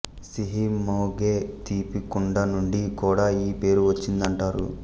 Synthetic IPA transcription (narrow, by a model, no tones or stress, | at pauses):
siɦimoːɡeːt̪iːpikuɳɖɐnuɳɖikuːɽaːiːpe̞ːɾuʋɐt͡ʃːind̪ɐɳʈaːɾṵ